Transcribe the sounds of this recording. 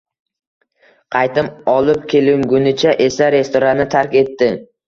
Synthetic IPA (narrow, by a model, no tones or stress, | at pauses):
qʰɑjt̪ɪmɒlˠɪp̚kʲʰe̞lɪŋɡʊnɪt͡ʃʰaʔe̞saɾe̞st̪oɾanːɪt̪ʰaɾkʲe̞t̪ːɪ